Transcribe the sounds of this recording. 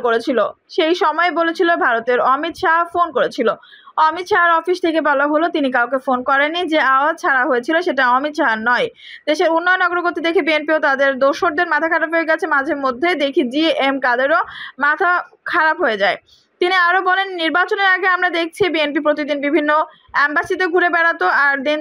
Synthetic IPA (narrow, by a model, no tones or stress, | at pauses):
koɾet͡ɕʰilo | ʃejʃɔmɔebolet͡ɕʰilobʱaɾot̪eɾɔmit̪ʃaɦfonkoɾet͡ɕʰilo | ɔmit̪ʃaɦaɾɔfist̪ʰekebɔlaɦolot̪inikawkefonkɔɾenːid͡ʑeaoat͡ɕʰaɾaɦoet͡ɕʰiloʃeʈaɔmit̪ʃaɦanɔj | d̪̥eʃeɾunːɔjonɔɡoɾoɡoɾt̪id̪ekʰibienpiot̪ad̪eɾd̪oʃoɾd̪eɾmat̪ʰakʰaɾabɦoeɡɛt͡ɕʰemad͡ʑʱeɾmod̪ʱːed̪ekʰid͡ʑiemkad̪eɾomat̪ʰakʰaɾapɦoed͡ʑae | t̪iniaɾobɔlenːiɾbat͡ɕoneɾaɡeamɾad̪ek̚ʰt͡ɕʰibienpipɾot̪id̪inbibʱinːo | ɛmbasit̪eɡʱuɾebɛɽat̪oaɾd̪in